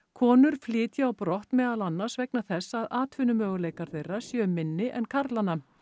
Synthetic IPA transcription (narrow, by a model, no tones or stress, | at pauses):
kʰɔːnʏɾ̥flɪːt̪jaawpɾɔht̪mɛːðalanːḁsvɛknaθɛsːaðaːt̪ʰvʏnʏmœːɣʏlejkaɾ̥θejrːasjœːʏmːɪnːɪʔɛnkʰaɾt̪lanːa